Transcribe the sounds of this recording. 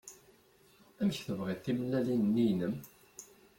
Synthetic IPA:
æmçθəvʁiθimlælinənːijnəm

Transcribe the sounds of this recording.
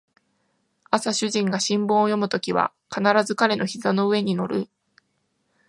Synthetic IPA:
asaɕɨʑĩŋɡaɕĩmbɯ̃ɰ̃ojo̞mɯ̟t̪o̞kʲiβa̰ | kanaɾazɨkaɾe̞no̞çizano̞ɯ̟e̞ɲ̟ino̞ɾɯ

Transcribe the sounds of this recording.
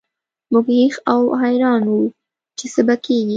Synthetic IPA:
mʊɡhixawɦajɾɑnwu | t͡ʃesabakeɡi

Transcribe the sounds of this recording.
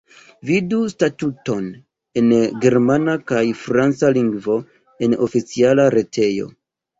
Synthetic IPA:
vidustatuto̞n | e̞nɡe̞ɾmanakajfɾant͡saliŋɡvo̞ | e̞no̞fit͡sialaɾe̞tʰe̞jo̞̰

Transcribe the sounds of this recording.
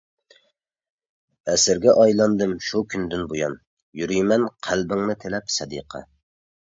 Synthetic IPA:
ɛsɪɾɡʲɛʔɑjlˠɑnd̪ɨmʃukʲʰynd̪ɪnbojɑ̰n | jyɾyjmɛnqʰælbɪŋnɨt̪ʰɪlɛpsɑd̪ḭqʰɑ̰

